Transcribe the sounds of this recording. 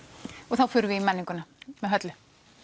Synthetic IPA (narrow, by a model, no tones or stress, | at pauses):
ɔɣθawfʏːɾʏvɪimɛnːiŋkʏnamɛðɦœt̪lʏ